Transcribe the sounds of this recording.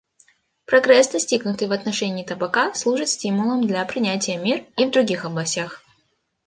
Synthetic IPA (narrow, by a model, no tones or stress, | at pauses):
pɾɐɡɾɛsd̪ɐsʲtʲiɡnʊt̪ɨjvɐt̪nɐʂɛnʲɪːt̪əbɐkaslˠuʐɨt̪sʲtʲimʊlˠəmd̪lʲɐpɾʲɪnʲætʲɪjəmʲirivd̪ɾʊɡʲixɐblˠɐsʲtʲax